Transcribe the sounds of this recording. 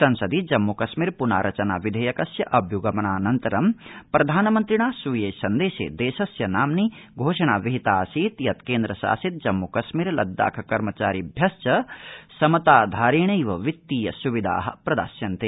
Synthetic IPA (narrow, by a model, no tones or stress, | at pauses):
sɐnsɐd̪id͡ʒɐmːukɐʃmiːɾpuna̰ːɾʔɐt͡ʃɐna̰ːʋid̪ʱɐjɐkɐsjɐʔɐbʱjuɡɐmɐnaːnɐnt̪ɐɾɐmpɾɐd̪ʱaːnɐmɐnt̪ɾiɳaːsuːjeːsɐnd̪eːʃḛːd̪eːʃɐsjɐnaːmniɡʱoːʂɐɳaːʋiɦit̪aːsiːt̪jɐt̪keːnd̪ɾɐsa̰ːsit̪̚d͡ʒɐmːukɐʃmiːɾlɐ̰d̪ːa̰ːkʰɐkɐɾmɐt͡ʃaːɾibʱjɐst͡ʃɐsɐmɐt̪aːd̪ʱaːɾeːɳɐjʋɐʋit̪ːiːjɐsuʋid̪ʱa̰ːɦɐ̰̆pɾɐd̪a̰ːsjɐnt̪e